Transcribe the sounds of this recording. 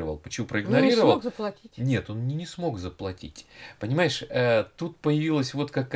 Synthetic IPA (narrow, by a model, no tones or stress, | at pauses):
əvəlˠpət͡ɕɪmupɾəɪɡnɐɾiɾəvəlɡzplˠɐtʲinʲe̞t̪o̞nʲɪnʲɪsmo̞ɡzəplˠɐtʲḭtʲpənʲɪmajɪʂət̪ut̪̚pəjɪvʲilˠəsʲvo̞t̪kakː